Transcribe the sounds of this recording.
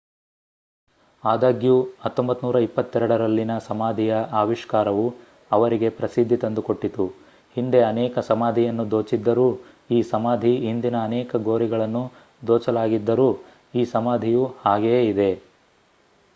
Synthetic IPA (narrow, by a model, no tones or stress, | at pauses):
aːd̪aːɡjuhɐt̪ːombɐt̪ːnuːɾɐipːɐt̪ːɛɾɐɽɐɾɐlːinɐsɐmaːd̪ʱijɐʔaːʋiʂkaːɾɐʋu | ɐʋɐɾiɡe̞pɾɐsid̪ʱːit̪ɐnd̪uko̞ʈːit̪u | hind̪e̞ɐnɛːkɐsɐmaːd̪ʱijɐnːud̪o̞ːt͡ʃid̪ːɐɾuː | iːsɐmaːd̪ʱiɦind̪inɐːnɛːkɐɡo̞ːɾiɡɐɭɐnːu | d̪oːt͡ʃɐlaːɡid̪ːɐɾuː | iːsɐmaːd̪ʱijuhaːɡeid̪e̞